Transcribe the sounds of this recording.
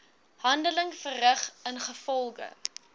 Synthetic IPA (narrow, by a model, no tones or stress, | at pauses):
hɐndələŋfərrəχənχəfɔlˠɡə̰